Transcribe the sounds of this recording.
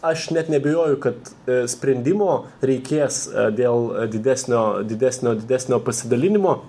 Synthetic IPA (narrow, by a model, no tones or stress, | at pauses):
ɐʃnʲɛt̪nʲɛbʲejoːjʊkɐt̪sʲpʲɾʲɛnʲd̪ʲɪmoː | ɾʲɛɪkʲeːsd̪ʲeːlˠd̪ʲɪd̪ʲæːsʲnʲoːdʲɪd̪ʲæsʲnʲoːd̪ʲɪd̪ʲæsʲnʲoːpɐsʲɪd̪ɐlʲɪnʲɪmoː